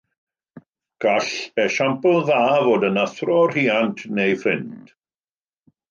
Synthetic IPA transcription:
ɡ̥aɬɛʃampl̩ˠðaːvoːdənaθrɔr̥iːantʰnejfrɪnd̥

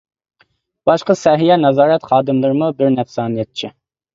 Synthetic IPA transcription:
b̥ɑʃqəsɛɦijɛnɑzɑːɾɛt̪χɑːd̪ɨmlˠɨɾɨmubɪɾnɛfsɑːnijɛt̪̚t͡ʃʰi

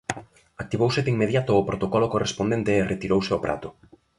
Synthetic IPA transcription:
ak̚t̪iβowseðeiŋmeðjat̪ʊːpɾot̪okɔlokorespond̪ent̪eːret̪iɾowseopɾa̰t̪ʊ

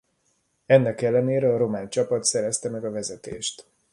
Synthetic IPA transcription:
ɛnːɛkɛlːɛneːɾɛɒɾo̞maːnt͡ʃɒpɒt̪sɛɾɛst̪ɛmɛɡɒvɛzɛt̪ḛːʃt̪

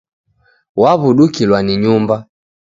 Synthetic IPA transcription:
waβuɗukilwaniɲumba

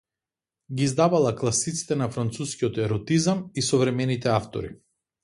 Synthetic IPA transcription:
ɡiːzd̪avalˠaklˠasit̪si̥t̪ɛnafɾant̪suskiɔt̪ɛɾɔt̪izamisɔvɾɛmɛnit̪ɛaft̪ɔ̰ɾḭ

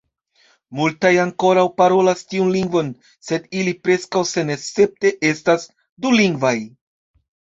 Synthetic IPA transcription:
multajaŋko̞ɾawpaɾo̞lastiunliŋɡvo̞n | se̞dilipɾe̞skawse̞nese̞p̚te̞ʔe̞stas | duliŋɡvaj

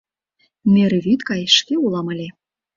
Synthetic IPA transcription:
mʲeɾβʲit̪kɑjʃkʲeulˠɑmɤlʲe

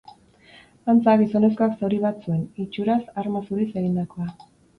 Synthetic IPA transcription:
ant͡saɣiso̞ne̞sko̞aksawɾiβat͡sue̞nit͡ʃuɾasaɾmasuɾise̞ɣind̪ako̞a

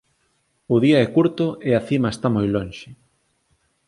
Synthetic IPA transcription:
ʊðiaɛkuɾt̪ʊʔeaθimaest̪amojlonʃɪ

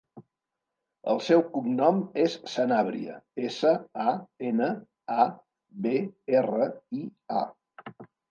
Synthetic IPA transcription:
ə̰lˠsɛwkumnɔmesːənaβɾḭə̰esəaenə | a | βeerəia̰

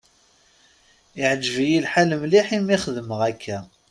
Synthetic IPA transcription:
ɪʕəd͡ʒvijilħaləmliħimiχəðməʁækʰːæ

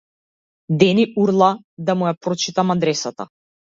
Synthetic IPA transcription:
d̪ɛniuɾlˠa | d̪amujapɾɔt͡ʃit̪amad̪ɾɛsat̪a̰

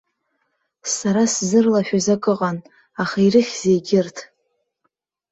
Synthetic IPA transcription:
saɾaszɨrlaʃᶣazakʼɨqʼan | aχairɨχʲz̥ejɡʲɪrtʰ

